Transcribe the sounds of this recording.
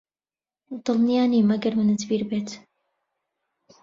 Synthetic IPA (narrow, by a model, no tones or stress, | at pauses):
d̪ɨlˠnijaːniːmɐɡɐɾmɨnɨt̪biːɾbeːt̪